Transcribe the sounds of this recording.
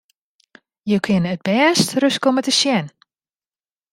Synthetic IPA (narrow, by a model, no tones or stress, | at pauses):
jowkʰɪnəət̚bɛːstrøskomətəʃjɛn